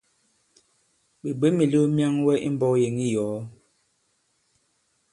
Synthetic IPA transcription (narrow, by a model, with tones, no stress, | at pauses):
bi˨be˦mi˨lu˦mja˦ŋwɛ˦ʔḭ˦m̩˦bɔ˦je˨ŋi˦jɔ˨˦